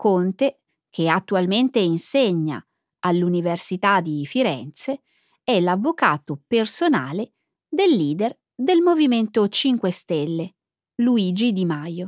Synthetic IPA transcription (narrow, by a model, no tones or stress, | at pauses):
kont̪e | k̟eat̪ːualment̪einseɲːa̰ | alːuniversit̪ad̪ifiɾɛ̰nt̪se | ɛlavːokaːt̪opersona̰ːle | d̪elːiːd̪er | d̪elmoviment̪ot͡ʃiŋkwest̪elːe | luiːd͡ʒid̪imajo